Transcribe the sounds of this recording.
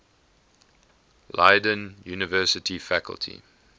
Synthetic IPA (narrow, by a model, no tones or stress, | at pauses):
laɪdə̃njuːnəvɜsətʰifækə̰lˠtʰḭ